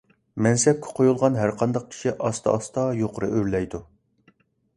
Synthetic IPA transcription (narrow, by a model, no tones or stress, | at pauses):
mɛnsɛp̚kʲʰɛ̥qʰojulˠʁɑnɦæɾqʰɑnd̪ɑq̚kʲʰi̥ʃiʔɑst̪ɑ̰ɑst̪ɑjoqʊɾɨ̰ʔøɾlɛjd̪u